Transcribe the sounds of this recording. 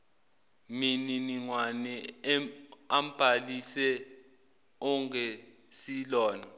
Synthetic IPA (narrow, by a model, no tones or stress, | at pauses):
mininiŋwanɛ | am̩b̥ʱalisɛ | ɔŋe | silɔːna